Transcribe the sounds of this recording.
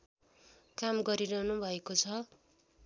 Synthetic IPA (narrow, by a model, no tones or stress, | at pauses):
kamɡʌɾiɾʌɦnubʱʌekot͡sʰʌ